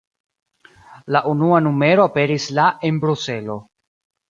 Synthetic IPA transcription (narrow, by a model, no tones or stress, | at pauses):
laʔunuanume̞ɾoape̞ɾislaʔenbɾuse̞lo̞